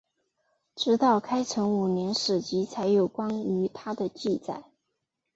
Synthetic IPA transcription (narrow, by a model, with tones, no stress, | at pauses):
ʈ͡ʂɻ̩˧˥t̪ɑ˥˩ʊkʰa˥ɪt͡sʰɤ˧˥ŋu˨˩njɛ˧˥nʂɻ̩˨˩t͡ɕi˧˥t͡sʰa˧˥ɪjo˨˩ʊkwɑ˥ŋy˧˥t̪ʰa˥d̪ə˨t͡ɕi˥˧t͡sa̰˥˩ɪ